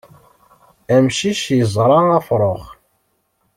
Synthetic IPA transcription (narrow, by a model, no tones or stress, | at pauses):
æmʃiʃjəzˤɾˤɑɑfɾˤoχ